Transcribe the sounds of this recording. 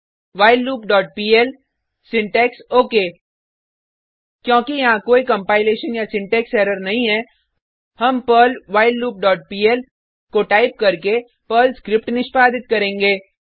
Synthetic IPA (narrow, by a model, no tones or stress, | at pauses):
ʋaːɪlːuːpɖɔːʈ̚piːɛl | sɪ̃ɳʈɛːksoːkeː | kjõːkijɐɦãkoːikɐ̃mpaːɪleːʃənjasɪ̃ɳʈɛːksɛːɾəɾnɐɦĩɦɛː | hɐmpəːlʋaːɪlːuːp̚ɖɔːʈ̚piːɛl | koʈaːɪp̚kɐɾke | pəːlskɾɪp̚ʈnɪʃpaːd̪ɪt̪kɐɾẽːŋɡeː